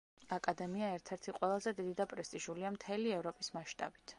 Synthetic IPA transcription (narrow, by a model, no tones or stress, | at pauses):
akʼad̪ɛmiaɛɾt̪ʰɛɾt̪ʰiqʼwɛlˠazɛd̪id̪id̪apʼɾɛst̪ʼiʒuliamt̪ʰɛliɛvɾɔpʼismaʃt̪ʼa̰bi̥t̪ʰ